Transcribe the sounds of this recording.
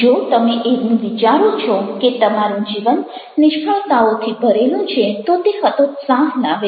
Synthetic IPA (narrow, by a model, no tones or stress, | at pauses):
d͡ʒot̪əmeʔeʋnũʋit͡ʃaɾũt͡ʃʰɔket̪əmaɾũd͡ʒiʋənː | ɪʃkʰəɭt̪aot̪ʰibʱəɾelũt͡ʃʰet̪ot̪eɦət̪osaɦnaʋe